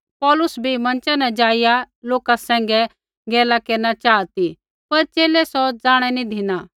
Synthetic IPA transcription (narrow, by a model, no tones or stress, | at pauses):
pɔːlʊsbʱimɐ̃nt͡ʃɛnɛd͡ʒaːɪja | loːkasɛ̃ːŋ̆ɡɛ | ɡɛːlakeːɾnat͡ʃaːt̪i | pɐɾt͡ʃeːlɛsɔd͡zaːɽ̃ɛnĩd̪ʱɪna